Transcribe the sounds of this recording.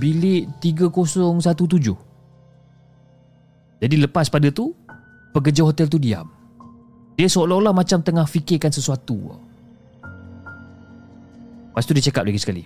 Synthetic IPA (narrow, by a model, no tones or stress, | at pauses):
bilɪʔt̪iɡakosɔŋsat̪ut̪̬ud͡ʒʊh | d͡ʒadiləpaspadat̪u | pək̬əd͡ʒaɦot̪ɛlt̪udia̰m | diəsolalahmat͡ʃamt̪əŋahfikɪkansəsuat̪ṵ | past̪udiət͡ʃakap̚laɡisə̥kalḭ